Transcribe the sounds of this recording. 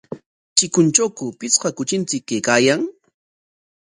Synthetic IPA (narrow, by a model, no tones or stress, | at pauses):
t͡ʃɪkʊnt͡ʃowkʊpɪt͡sqɑkʊt͡ʃɪnt͡sɪkːekaːjaŋ